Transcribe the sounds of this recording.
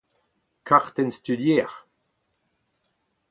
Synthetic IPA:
kʰaʁt̪ɛnst̪yd̪jɛʁ

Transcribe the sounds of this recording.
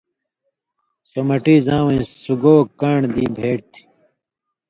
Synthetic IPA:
somɐʈiːzãːwẽːsuɡoːkaːɳd̪iːbʱeːɽt̪ʰi̥

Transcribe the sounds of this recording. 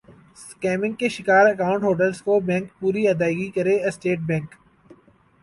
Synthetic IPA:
skɛːmɪ̃ŋɡ̚keʃɪkaːɾɐkaːʊ̃ɳʈɦoːʈ̬əlskobɛ̃ːŋk̚puːɾiɐd̪aːɪɡikɐɾesʈeːʈ̚bɛ̃ːŋk

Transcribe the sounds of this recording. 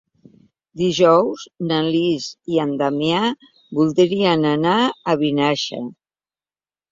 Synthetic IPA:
d̪iʒɔwznəliziand̪amea | βulˠd̪ɾiənənaəβinaʃə̰

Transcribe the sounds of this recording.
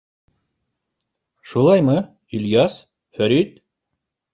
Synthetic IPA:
ʃulˠɑjmɤ | iljɑs | fæɾit̪

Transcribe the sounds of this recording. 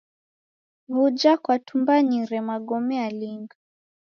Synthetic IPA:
βud͡ʒakwatumbaɲiɾɛmaɠɔmɛaliŋɡa

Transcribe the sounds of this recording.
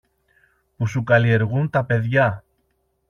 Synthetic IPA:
pusukɐlie̞ɾɣunt̪ɐpe̞ðʝɐ

